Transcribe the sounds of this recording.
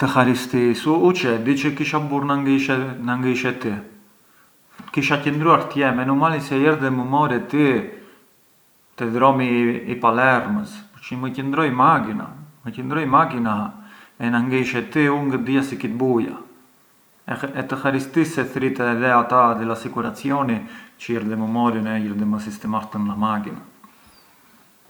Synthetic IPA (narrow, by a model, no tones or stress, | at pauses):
t̪əxaɾist̪isuut͡ʃɛd̪it͡ʃəkiʃabuɾnaŋɡiʃɛnaŋɡiʃɛt̪i | kiʃacənd̪ɾuaɾt̪jɛmɛnumalisɛjɛɾðɛməmɔɾɛt̪i | t̪ɛðɾɔmiːpalɛɾməspəɾt͡ʃməcənd̪ɾɔjmakina̰məcənd̪ɾɔjmakinaɛnaŋɡiʃɛt̪iuŋɡəd̪ijasikit̪̚buja̰ | ɛt̪əxaɾist̪isɛθɾit̪ɛðɛat̪ad̪ilasikuɾat͡siɔnit͡ʃəɛɾðɛməmɔɾinɛjɛɾd̪ɛməsist̪ɛmaɾt̪əmnamakina